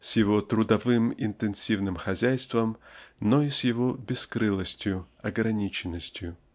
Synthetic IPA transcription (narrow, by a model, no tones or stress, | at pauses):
sjɪvot̪ɾʊd̪ɐvɨmɪnt̪ɨnsʲivnɨmxɐzʲæjst̪vəmnoisʲjɪvobʲɪskɾɨlˠəsʲtʲjʊɐɡɾɐnʲit͡ɕɪnːəsʲtʲjʊ